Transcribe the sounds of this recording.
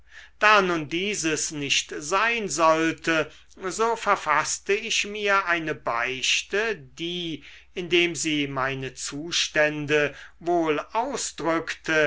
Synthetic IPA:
d̥aːnuːndiːzəsnɪʃtzaɪnzɔltʰə | zoːfɛɐfastəɪʃmiːɐʔaɪnəbaɪʃtədiː | ʔɪndeːmziːmaɪnət͡suːʃtɛndəvoːlʔaʊsd̥ʁʏktʰə

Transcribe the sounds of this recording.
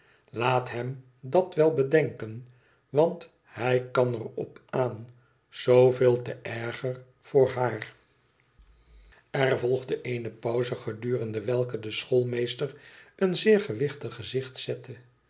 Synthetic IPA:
laːtɦɛm | dɑtʋɛlˠbədɛŋkən | ʋɑnt | ɦɛjkɑnərɔ̰paːn | z̥owvɪːlˠtəʔɛɹχər | v̥ʊːɹɦaːr | ɛrvɔlˠχdəʔejnəpɔwzəχədyːʁəndəʋɛlˠkədəsχolˠmejstərənzɪːɹχəʋɪχtəχəzɪχtsɛtʰə

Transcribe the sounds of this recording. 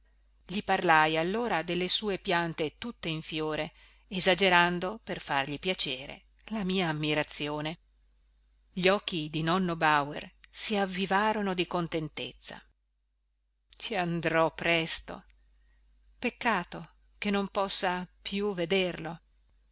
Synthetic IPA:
ʎiparlajalːoːɾad̪elːesuːepjant̪et̪ut̪ːeiɱfjoːɾeː | zad͡ʒeɾand̪operfarʎipjat͡ʃeːɾḛ | lamiːaːmːiɾat̪sːjoːne | ʎiɔkːid̪inɔnːobawḛrsiavːivaːɾonod̪ikont̪ent̪et̪sːa̰ | t͡ʃiand̪ɾɔpːɾɛst̪o̰ | pekːaːt̪o | kenːompɔsːapjuved̪erlo

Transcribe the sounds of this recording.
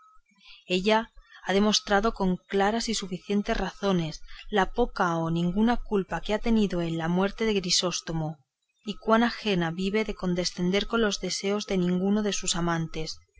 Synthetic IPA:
e̞ʎaaðe̞mo̞st̪ɾaðo̞ko̞ŋklaɾasisufiθje̞nt̪e̞sraθo̞ne̞slapo̞kaonĩŋɡunakulpakeat̪e̞niðo̞e̞nlamwe̞ɾt̪e̞ðe̞ɣɾiso̞st̪o̞mo | ikwanaxe̞naβiβe̞ðe̞ko̞nd̪e̞sθe̞nd̪e̞ɾko̞nlo̞zðe̞se̞o̞zðe̞nĩŋɡuno̞ð̞e̞susamãnt̪e̞s

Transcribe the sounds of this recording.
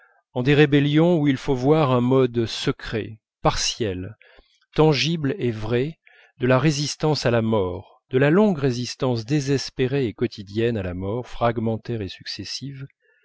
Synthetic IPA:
ɑ̃d̪eʁebeljɔ̃uilfovwaʁɛ̃mɔd̪səkχḛ | paʁsjɛl | t̪ɑ̃ʒiblevʁɛ | d̪əlaʁezist̪ɑ̃salamɔːʁ | d̪̥əlalɔ̃ɡʁezist̪ɑ̃sd̪ezɛspeʁeːkɔt̪ʰid̪jɛnalamɔʁfχaɡmɑ̃t̪ɛʁesy̥ksesiv

